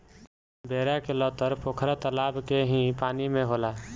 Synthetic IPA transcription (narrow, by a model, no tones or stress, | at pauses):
bʱeːɾakelɔt̪əɾpoːkʰɾat̪əlaːbkeɦĩpaːnimẽɦoːlaː